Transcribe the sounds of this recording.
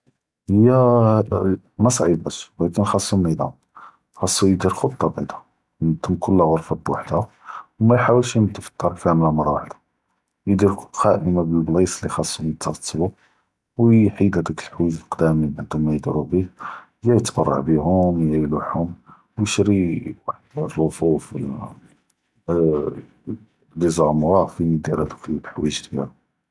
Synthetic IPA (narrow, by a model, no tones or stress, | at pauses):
həjːæ | mæsˤʕibæʃwlækənxɑsˤːumnid̪æ̰ | xɑsˤːujd̪iɾxot̪ˤːɑbʕid̪a | nt̪ʰəmkʰʊlːæɣəɾˤfæbwaħd̪a | wmæjħawəlʃjəmt̪əft̪ˤːɑɾˤlfæmlamɑɾˤɑwaħd̪ḁ | jd̪iɾxæʔəmabəlblisˤlːixɑsˤːunət̪ʰːɑɾt̪ˤʰːbu | wħid̪hæd̪əkəlħwiʒlqd̪æmibʕəd̪humːæjd̪iɾubih | jæjət̪bɑ̰rˤːɑ̰ʕbiɦʊmjæjluħhʊm | wjəʃɾiwaħd̪rˤːofuf | lizˤɑmɣɑfinid̪iɾhæd̪əklħwiʒd̪jæ̰ɾu